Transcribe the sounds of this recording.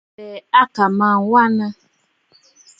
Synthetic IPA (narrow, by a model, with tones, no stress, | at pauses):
ɛ˨a˦ka˨ma˦˨wa˦na˦